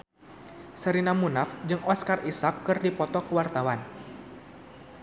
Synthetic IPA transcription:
səɾinamunafd͡ʒɨŋɔskarisakːɨrdipɔt̪ɔkuwart̪awan

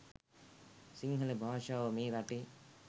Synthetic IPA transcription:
siŋɡʱɐlebʱaːʃaːʋɐmiːɾaʈi

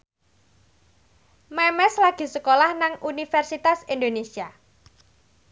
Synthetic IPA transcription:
mɛmɛslaɡ̥i̤səkolahnaŋʔunifɛrsit̪asind̪onesia

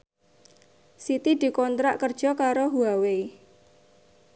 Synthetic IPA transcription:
sit̪id̪̥i̤kɔnt̪ɾaʔkərd̥ʒ̥ɔ̤kaɾoɦuawe

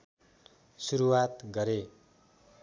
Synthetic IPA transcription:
suɾuwat̪ɡʌɾe

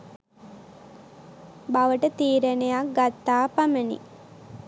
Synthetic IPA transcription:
baʋəʈət̪iːɾenejak̚ɡat̪ːaːpamənḭ

